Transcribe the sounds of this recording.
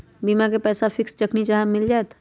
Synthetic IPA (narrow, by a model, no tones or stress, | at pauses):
biːmak̬epɛːsafʰɪkst͡ʃəknit͡ʃaɦamɪld͡ʒaɛt̪